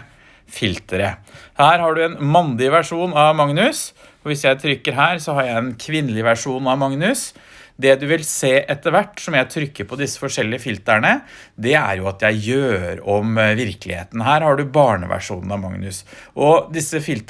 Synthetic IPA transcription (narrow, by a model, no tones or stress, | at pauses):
fɪlt̪əɾəhæːɾhɑɖʉɛnmɑnd̪ɪʋæʂuːnɑʋmɑŋnʉs | ɔʋɪsjæɪt̪ʰɾʏkːəɾɦæːɾsɔhɑɾjæɪɛnkʰʋɪnːəlɪʋæʂuːnɑʋmɑŋnʉsd̪ɛd̪ʉʋɪlseːʔɛt̪ːəʋæʈːsɔmjæɪt̪ʰɾʏkːəɾpʰɔd̪ɪsːə̥fɔʂɛlːɪəfɪlt̪æɳəd̪ɛæ̰ɾjʊɑt̪jæɪjøːɾɔmʋɪɾklɪhḛːt̪ənɦæːɾhɑɖʉbɑːɳə̰ʋæ̰ʂṵːnən̩ɑmɑ̰ŋnʉsʔɔd̪ɪsːəfɪlt̪